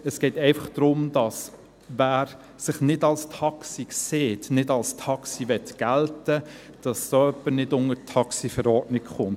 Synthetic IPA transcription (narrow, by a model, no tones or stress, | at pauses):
əsɡ̥ɛɪtɛɪfɑχd̥ɾʊmd̥ɑs | ʋæːɾ | sɪχnɪdɑlstʰɑksikseːtnɪdɑlstʰɑksiʋɛtɡ̥æltə | d̥ɑssoœpːənɪdʊŋətʰːɑksifɛɾɔrdnɪkχʊnt